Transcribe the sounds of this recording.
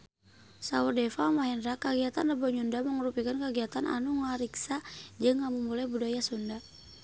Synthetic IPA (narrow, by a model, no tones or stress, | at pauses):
saurdɛfamaɦɛndɾakaɡiat̪anrəbɔɲundaməŋɾupikankaɡiat̪anʔa̰nuŋaɾiksad͡ʒəŋːamumulajbudajasunda